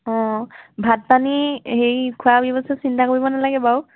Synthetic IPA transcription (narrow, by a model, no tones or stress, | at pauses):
ɔ̃bʱat̚panihejkʰuabɔbɔsɛsintakoɹibɔnalaɡɛbaw